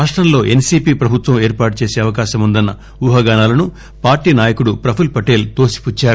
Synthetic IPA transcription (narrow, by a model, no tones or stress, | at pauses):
aːʂʈɾɐmlo̞ːʔe̞nsiːpiːpɾɐbʱut̪ʋɐme̞ːɾpaːʈut͡ʃe̞ːseːɐʋɐkaːʃɐmund̪ɐnːɐ | uːɦɐɡaːnaːlɐnu | paːɾʈiːnaːjɐkuɽupɾɐpʰulpɐʈe̞ːlt̪o̞ːsi̥put͡ʃːaːɾu